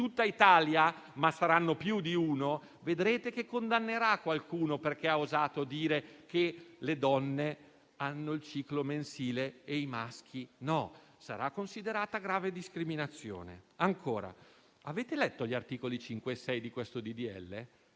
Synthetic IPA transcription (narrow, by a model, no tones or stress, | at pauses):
t̪ut̪ːait̪aːljamasaɾanːopjud̪iuːno | ved̪ɾeːt̪ekekːond̪anːeɾakːwalkuːnoperk̟eauzaːt̪od̪iːɾekeled̪ɔnːe | anːoilt͡ʃiːklomensiːleejmask̟inɔsaɾakːonsid̪eɾaːt̪aɡɾaːved̪iskɾiminat̪sːjo̰ːnḛaŋkʰoːɾa̰ | aveːt̪elɛt̪ːoʎːart̪iːkolit͡ʃiŋkwesɛjd̪ikwest̪od̪id̪iɛ̰lːe